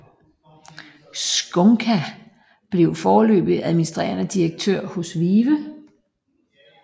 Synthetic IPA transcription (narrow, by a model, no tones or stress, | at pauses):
sɡ̥ɔŋkʰæ | b̥le̝ʊfɒːlø̰ːb̥ð̩ˠæðˠminisd̥ʁɛ̰ːɐnəd̥iɐɡ̥̚t͡sʰøɐ̰hɔ̽sʋiʋə